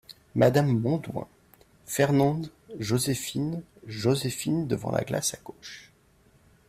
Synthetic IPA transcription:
mad̪amːɔ̃d̪wɛ̰̃ | fɛʁnɑ̃d̪ | ʒozefin | ʒozefind̪əvɑ̰̃lʔa̰ɡla̰saɡ̥oʃ

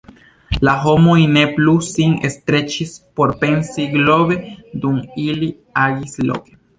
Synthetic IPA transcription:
laɦo̞mo̞jne̞plusiŋest̪ɾe̞t͡ʃispo̞ɾpe̞nsiɡlo̞βe̞d̪umili | aɡislo̞̰ke̥

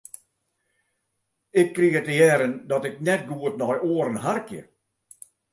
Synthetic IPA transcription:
ɪkʰːɾiːət̪əjɛːɾənd̪ɔt̪ɛk̚nɛt̚ɡuːət̪nɔjʔoːɾənɦaɾkjə̰

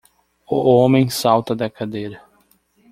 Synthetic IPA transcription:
õmẽj̃sawt̪ɐd̪ɐkad̪ejɾɐ

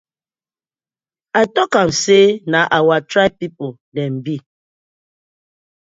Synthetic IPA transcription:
atɔkam̩senaʔawatɾapipo | dɛm̩bi

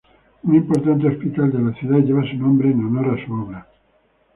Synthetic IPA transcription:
unimpoɾt̪ant̪̬eospit̪ald̪elaθjuðaʎeβasunõmbɾenonorasuoβɾa

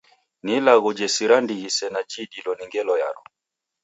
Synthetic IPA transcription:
nilaɣud͡ʒɛsiɾandiɣisɛnad͡ʒiɗilɔniŋɡɛlɔja̰ɾɔ

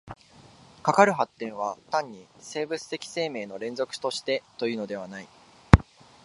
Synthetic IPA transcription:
kakaɾɯ̟ɦat̪ːẽ̞ɰ̃β̞at̪ãɲ̟ːise̞ːbɯ̟t͡sɨ̥t̪e̞kʲi̥se̞ːme̞ːno̞ɾẽ̞nd͡zo̞kɯ̟̥t̪o̞ɕi̥t̪e̞t̪o̞jɯ̟ːno̞d̪e̞β̞anai

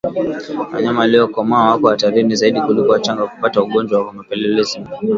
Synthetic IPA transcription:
wa̰ɲamaːliɔkɔmaawakɔwataɾinizaiɗikulikuwat͡ʃaŋɡaku̥patauɠɔnd͡ʒwawakamapɛlɛlɛzi

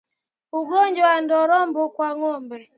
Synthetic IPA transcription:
uɡɔɲd͡ʒɔan̩dɔɾɔmbʊkwaŋɔmbɛ

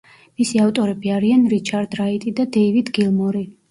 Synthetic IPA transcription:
misiaft̪ʼɔɾɛbiaɾianɾit͡ʃʰaɾd̪ɾait̪ʼid̪ad̪ɛivid̪ɡilˠmɔɾi

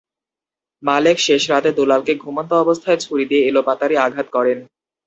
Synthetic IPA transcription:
malekʃeʃɾat̪ed̪olalkeɡʱumont̪oɔbost̪ʰaet͡ɕʰuɾid̪ieelopat̪aɾiaɡʱat̪kɔɾen

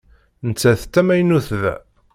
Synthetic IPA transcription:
nət͡sːæθt̪ːæmæjnuθðæ̰

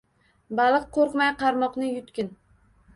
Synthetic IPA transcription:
balˠɨqʰːoɾqmajqʰɑɾmɒqnɪjʊt̪kʲɪn

